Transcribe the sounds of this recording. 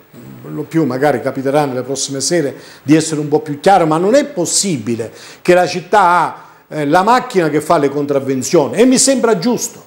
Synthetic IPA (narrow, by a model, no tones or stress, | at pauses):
lopjumːaɡaːɾikapit̪eɾanːelepɾɔsːimesɛːɾed̪iɛsːeɾeumpɔpːjukːaːɾomanːonɛpːosːibilekelat͡ʃit̪ːaa | lamakːinak̟efːalekont̪ɾavːent̪sjɔːniɛmːisɛmbɾad͡ʒːust̪o̥